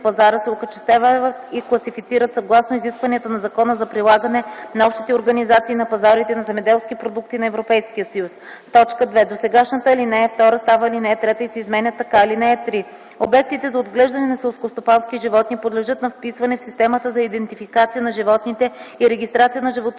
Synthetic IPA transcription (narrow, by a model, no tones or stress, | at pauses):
pɐzaɾəsɛokət͡ʃɛ̥st̪avvət̪iklˠɐsifit̪siɾət̪sɐɡlˠasnoiziskvɐniət̪ənɐzɐkɔnəzɐpɾilˠaɡənɛnɐɔpʃt̪it̪ɛoɾɡɐnizat̪siːnɐpɐzaɾit̪ɛnɐzɛmɛd̪ɛlˠsk̟ipɾod̪ukt̪inɐɛvɾopɛjskijəsɐjus | t̪ɔt͡ʃkəd̪vɛd̪osɛɡaʃnət̪əilinɛɛft̪ɔɾəst̪avəilinɛɛt̪ɾɛt̪əisɛizmɛnʲət̪ːɐkailinɛɛt̪ɾi | o̰bɛk̚t̪it̪ɛzɐod̪ɡlɛʒd̪ɐnɛnɐsɛlˠskost̪opanskiʒivɔt̪nipod̪lɛʒɤt̪̚nɐfpisvɐnɛfsist̪ɛmət̪əzɐid̪ɛnt̪ifikat̪sijənɐʒivɔt̪nit̪ɛiɾɛɡʲist̪ɾat̪sijənɐʒivot̪